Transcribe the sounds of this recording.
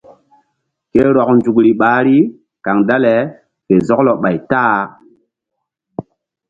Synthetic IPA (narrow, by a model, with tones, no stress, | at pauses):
ke˦ɾɔ˨knd͡ʒu˨kɾi˨ɓaː˨˦ɾi˦ | ka˨ŋda˦le˨ | ke˨zɔ˦klo˨ɓa˨jtaː˦